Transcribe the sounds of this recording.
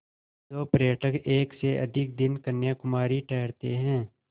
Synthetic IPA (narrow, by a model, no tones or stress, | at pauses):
oːpɾeːʈəkeːkseʔɐ̰d̪ʱɪk̚d̪ɪnkənjakʊmaːɾiʈʰɛːɾt̪eɦɛ̃ː